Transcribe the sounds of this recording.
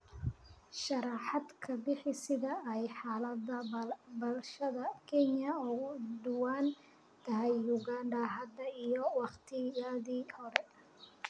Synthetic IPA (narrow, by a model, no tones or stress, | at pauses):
ʃɐɾɑːħɑd̪kʰɐbɪħɪsɪðɐɛjħaːlɐd̪ɐbɐlʃɐðɐkʰɛnjɐɔːd̪ʊwaːn | t̪ʰɐɦɛjːuɡaːɳdɐɦɐd̪ɐijɔwɑχt̪ʰɪjɐðiːhɔɾɛ